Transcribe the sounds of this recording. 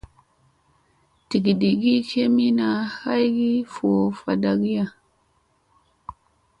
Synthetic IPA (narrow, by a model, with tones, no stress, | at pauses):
ti˨ɡi˨di˨ɡi˦kʰe˦mi˦na˨ha˦jɡi˦fu˨o˨fa˨da˨ɡi˦ja˦˨